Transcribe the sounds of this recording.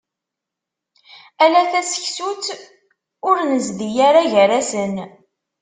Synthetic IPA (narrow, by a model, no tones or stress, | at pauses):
ælæθæsə̥çsut͡s | ʊɾnəzd̪ijaɾaʝəɾæsən